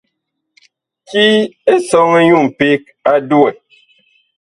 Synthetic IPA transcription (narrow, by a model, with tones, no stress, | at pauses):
ki˦e˦sɔ˦ŋe˦ɲu˦˨m̩˨pe˦k̚a˦du˦ɛ˨